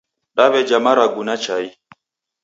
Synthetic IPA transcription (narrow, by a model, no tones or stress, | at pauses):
ɗaβɛd͡ʒamaɾaɡunat͡ʃai